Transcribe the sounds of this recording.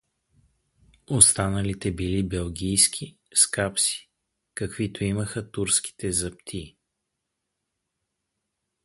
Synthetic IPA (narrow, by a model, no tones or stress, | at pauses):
ost̪anəlit̪ɛbilibɛlˠɡʲijsk̟ʰi | skapsi̥ | kəkvit̪oiməxət̪uɾsk̟i̥t̪ɛzɐp̚t̪ʰi